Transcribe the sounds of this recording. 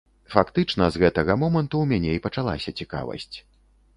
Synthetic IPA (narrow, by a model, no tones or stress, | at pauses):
fakt̪ɨt͡ʂnɐzɣɛt̪ɐɣɐmɔmɐnt̪umʲanʲɛipɐt͡ʂalˠa̰sʲɐt͡sʲika̰vɐ̰sʲt͡sʲ